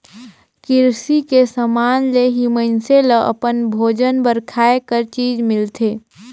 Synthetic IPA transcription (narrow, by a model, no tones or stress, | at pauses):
kɪɾsikesəmaːnleɦimənseləʔə̰pənbʱoːd͡ʒənbəɾkʰaːekəɾt͡ʃiːd͡ʒmɪlt̪ʰeː